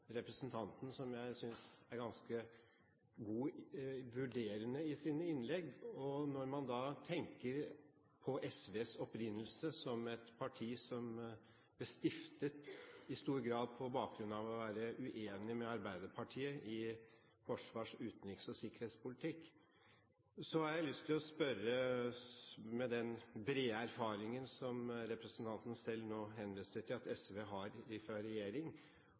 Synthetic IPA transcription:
ɾɛpɾəsənt̪ʰɑnt̪n̩sɔmjæɪsʏnsæɾɡɑnskə | ɡuːʋʉɖeːɾənəɪsiːnəɪnlɛɡːɔnɔɾmɑnd̪ɑːt̪ʰɛŋkəɾ | pʰɔʔɛsʋeːsɔpɾɪnːəlsəsɔmɛt̪pʰɑʈʰiːsɔm | bəst̪ɪft̪ət̪ɪst̪uːɾɡɾɑːd̪̚pʰɔbɑːk̚ɡɾʉnɑʋɔʋæːɾəʔʉʔeːnɪmɛɑɾbæɪd̪əpʰɑʈʰiːəʔɪ | fɔʂʋɑːʂʉːt̪nɪksɔsɪkəɾheːt̪spʊlɪt̪ʰɪkː | sɔhɑɾjæɪlʏst̪ʰːɪlɔspœɾə | mɛd̪ɛnbɾeːæɾfɑːɾɪŋənsɔmɾɛpɾəsən̩t̪ʰɑnt̪ən̩sɛlnoːɦɛnʋiːst̪ət̪ʰɪlɑt̪ɛsʋeːɦɑɾɪfɾɑɾɛjeːɾɪŋ

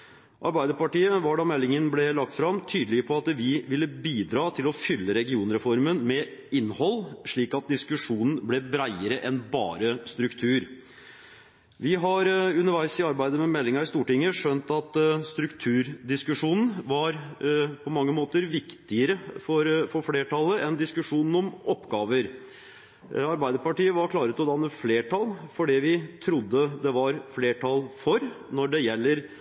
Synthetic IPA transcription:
ʔɑ̰ɾbæɪd̪əɾpɑʈiːəʋɑɖɑmɛlːɪŋənblɛlɑk̚t̪fɾɑmt̪ʰyːd̪əlɪəpʰɔɑt̪ʋɪʋɪlːəbiːd̪ɾɑːt̪ʰɪlɔfʏlːəɾɛɡɪuːnɾɛfɔɾmənmɛɪnːhɔlːʂɭiːkɑt̪̚d̪ɪskʉʂuːnn̩blɛbɾæɪəɾəʔɛnbɑ̰ːɾəst̪ɾʉkt̪ʰʉːɾ | ʋɪɦɑɾʉnəʋæɪsɪɑɾbæɪd̪əmɛmɛlːɪŋɑɾɪst̪uːʈɪŋəʂœnt̪ɑt̪st̪ɾʉkt̪ʰʉːɾd̪ɪskʉʂuːnn̩ʋɑɾpʰɔmɑŋːəmoːt̪əɾʋɪkt̪ɪəɾəfɔɾfɔɾfleːʈʰɑlːəʔɛnd̪ɪskʉʂuːnn̩ɔmɔpːɡɑːʋəɾ | ɑɾbæɪd̪əɾpɑʈiːəʋɑɾkʰlɑːɾət̪ɔd̪ɑnːəfleːʈʰɑlfɔɖiːʋɪt̪ʰɾʊd̪ːəd̪ɛʋɑɾfleːʈʰɑlfɔɾ | nɔɖɛjɛlːəɾ

